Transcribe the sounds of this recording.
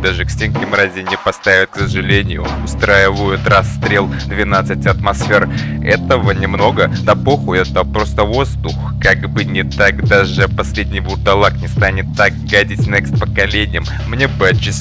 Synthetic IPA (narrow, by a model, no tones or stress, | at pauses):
d̪aʐɨksʲtʲenkʲɪmɾazʲɪnʲɪpɐst̪avʲɪt̪̚ksəʐɨlʲenʲɪjʊ̰ʊst̪ɾajɪvəjʊt̪rɐst̪ɾʲe̞lˠd̪vʲɪnat̪sɨtʲɐt̪mɐsfʲe̞r | ɛ̰t̪əvənʲɪmno̞ɡəd̪ɐpoxʊɛt̪əpɾo̞st̪əvo̞zd̪ʊx | kaɡbɨnʲɪt̪aɡd̪aʐɨpɐsʲlʲedʲnʲɪjbʊrt̪ɐlˠaknʲɪst̪anʲɪt̪ːak̚ɡadʲɪtʲnʲɨkspəkɐlʲenʲɪjəmːnʲebɨt͡ɕɪsʲ